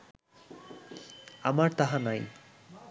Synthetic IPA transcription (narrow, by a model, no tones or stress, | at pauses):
amaɾt̪aɦanaj